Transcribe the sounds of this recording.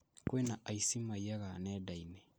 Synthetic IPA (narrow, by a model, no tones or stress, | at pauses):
koenaʔaisimajjaɡanɛdaine